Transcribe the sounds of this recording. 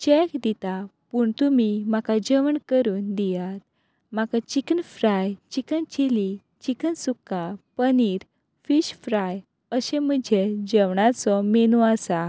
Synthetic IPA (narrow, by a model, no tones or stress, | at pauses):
t͡ɕɛkd̪it̪apuːɳt̪umimakad͡ʑəʋəɳkəɾuːnd̪ijat̪̚ | makat͡ɕikənfɾajt͡ɕikənt͡ɕili | t͡ɕikənsukːapəniɾ | fiɕfɾaj | əɕẽm̤əd͡ʑʱed͡ʑɛʋɳat͡sɔmenuasa